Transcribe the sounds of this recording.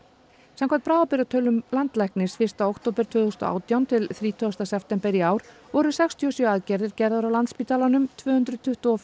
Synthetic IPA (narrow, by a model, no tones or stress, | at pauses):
samkʰɛt̪pɾaːvapɪɾat̪ʰœlːʏmlant̪lɛhknɪsfɪr̥st̪aowkt̪ʰoːpɛɾ̥t̪ʰvʏːðθʏst̪ɔ̰a̰ːwt̪jawnt̪ʰɪlθɾiːt̪ʰɔst̪asɛft̪ɛmpɛɾiaːwɾ̥vɔɾʏ̥sɛkst̪ʰiɔsjœaðcɛɾðɪɾcɛɾðaɾawlant̪spit̪alanʏmt̪ʰvœːhʏnt̪ɾʏðt̪ʰʏht̪uɔf